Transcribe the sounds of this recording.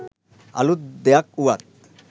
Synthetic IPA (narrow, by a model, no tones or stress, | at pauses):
a̰lut̪d̪eak̚uat̪̚